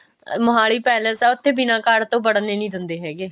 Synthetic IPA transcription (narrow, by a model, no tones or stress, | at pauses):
mʊɦaːɭiːpɛːləsɛːʊt̪ʰːeːbɪnãːkaːɾt̪õːbəɽneːnĩːd̪ɪnd̪eːɦɛːɡeː